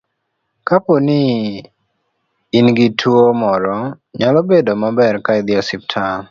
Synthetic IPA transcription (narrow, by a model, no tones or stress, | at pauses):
kaponɪ | inɡitʰuomɔɾɔ | ɲalɔbedomabɛɾkaɪd̪ɪɔsip̚tʰa